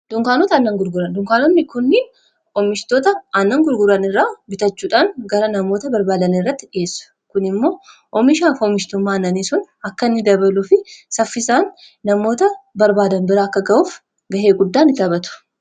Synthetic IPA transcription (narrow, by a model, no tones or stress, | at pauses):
d̪̥ʊŋkaːnɔt̪ɐnːɐŋɡʊɾɡʊɾɐnd̪ʊŋkaːnɔnːɪkʊnːɪn | ʔɔmɪʃt̪oːt̪ɐɐnːɐŋɡʊɾɡʊɾɐnɪrːaːbɪt̪ɐt͡ʃːuːᶑaːnɡɐɾɐnɐmo̞ːt̪ɐbɐɾbaːd̪ɐnɪrːɐt̪ːɪᶑɪe̞ːsːʊ̥ | kʊnɪmːo̞ːʔɔmɪʃaːfɔmɪʃt̪ɔmːaːnɐniːsʊn | ɐkːɐnːɪd̪ɐbɐlufɪsɐfːɪsaːnː | ɐmo̞ːt̪ɐbɐɾbaːd̪ɐnbɪɾɐɐkːɐɡɐʔuːf | ɡɐɦe̞ːɡʊd̪ːaːnːɪt̪ɐbɐt̪ʊ̥